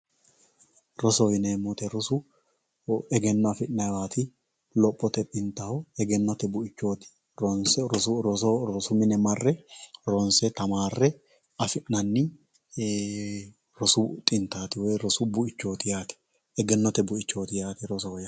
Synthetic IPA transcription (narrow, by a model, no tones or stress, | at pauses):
ɾɔsɔjɪneːmɔt̪ɛɾɔsʊ | ɛɡɛnːɔɐfɪʔnɐwaːt̪ɪ | lɔpʼːɔt̪ɛt̪ʼɪnt̪ɐhɔɛɡɛnːɔt̪ɛbʊɪt͡ʃːoːt̪ɪ̥ | ɔns | ɾɔsʊmɪnɛmɐrːɛɾɔnsɛt̪ɐmaːrːɛ | ɐfɪʔnɐnːɪ | ɾɔsʊt̪ʼɪnt̪aːt̪ɪwɔjɾɔsʊbʊɪt͡ʃːo̞ːt̪ɪjaːt̪ɪ̥ | ɛɡɛnːɔt̪ɛbʊɪt͡ʃːo̞ːt̪ɪjaːt̪ɛɾɔsɔɔja